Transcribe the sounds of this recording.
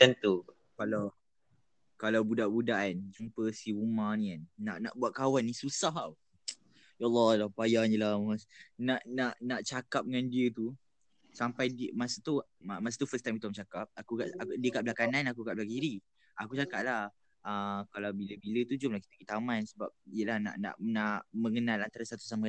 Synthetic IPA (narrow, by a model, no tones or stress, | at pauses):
t̪ənt̪u | kalaw | kalawbudaʔbudaʔand͡ʒumpəsiumanĩanːa̰ʔnaʔbuat̪̚kawanːĩsusaɦaw | jalːɔlapajaɲəlamasnaʔnaʔnaʔt͡ʃakap̚ŋandiət̪u | sampajdmasat̪umas̬ḁt̪ufəst̪ajmit̪umt͡ʃakap̚akuka̰ʔadiəkaʔblakananakukaʔblaʔɡiɾi | akut͡ʃakaʔ̚lah | əkalawbiləbilət̪ud͡ʒʊmlahki̥t̪əɡit̪amansəbap̚ijəlahna̰ʔna̰ʔnaʔmə̃ŋənalant̪aɾasat̪u̥samə